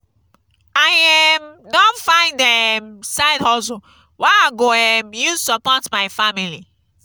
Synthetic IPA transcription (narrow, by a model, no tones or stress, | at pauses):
ajɛmdɔ̃nfãɪ̃ndɛmsaɪdhɔso | waaɡoɛmju̥səpɔtmaɪfamili